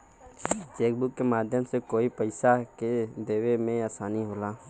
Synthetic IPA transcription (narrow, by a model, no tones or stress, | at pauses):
t͡ʃeːk̚bʊkːemaːd̪ʱjəmsekoːipəɪsaked̪eːwemẽaːsaːniɦoːlaː